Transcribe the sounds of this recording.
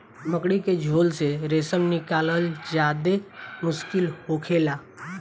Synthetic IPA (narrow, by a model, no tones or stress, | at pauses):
məkɽiked͡ʒʱoːlseɾeːsəmnɪkaːləld͡ʒjaːd̪emʊʃkɪlhoːkʰeːlaː